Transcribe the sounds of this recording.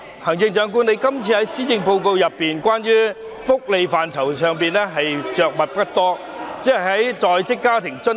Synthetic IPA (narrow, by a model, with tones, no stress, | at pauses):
hɐ˨˩ŋt͡sɪ˧ŋt͡ʃœː˨˥ŋk̬uː˧˥ne˨˧jkɐ˥mt͡sʰiː˧hɐ˨˥jsiː˥jɪ˧ŋpo˧wko˧wjɐ˨pːiː˨nkʷaː˥njyː˥ | fʊ˥k̚le˨˧jfaː˨nt͡sʰɐ˨˩wsœː˨ŋpiː˨nlɛː˥ɦɐ˨jt͡ʃœː˨k̚mɐ˨t̚pɐ˥t̚t̪ɔː˥ | t͡sɛː˥hɐ˨˩ɦɐ˨˥jt͡sɔː˨jt͡sɪ˥kːaː˥t̪ʰɪ˨˩ŋt͡sɵ˥n